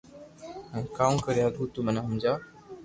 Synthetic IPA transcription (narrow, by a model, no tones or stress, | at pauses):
kaːũkəɾjaːd̪ʱuːt̪umənãːɦũːnd͡ʒaː